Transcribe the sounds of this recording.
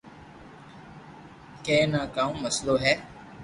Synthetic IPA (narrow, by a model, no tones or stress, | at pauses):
kɛ̃ːnãːkaːũːməsloːɦɛː